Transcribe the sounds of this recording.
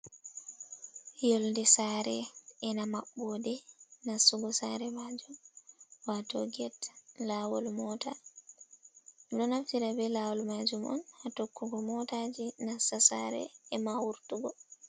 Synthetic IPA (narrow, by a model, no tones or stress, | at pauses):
joldɛsaɾɛɛnamaɓːɔdɛnasuɡɔsaɾɛmad͡ʒumwatɔ̰ɡɛtlawɔlmɔta | dɔnaftiɾabɛlawɔlmad͡ʒumʔɔ̰nhatɔkːuɡɔmɔtad͡ʒinasasaɾɛ̰ɛmawuɾtuɡɔ